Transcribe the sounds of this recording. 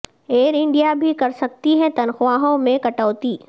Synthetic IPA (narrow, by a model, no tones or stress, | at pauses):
eːɾɪ̃ɳɖijabʱikɐɾsɐk̚t̪iɦɛt̪ɐnxʋaːɦõmẽkɐʈɔːt̪iː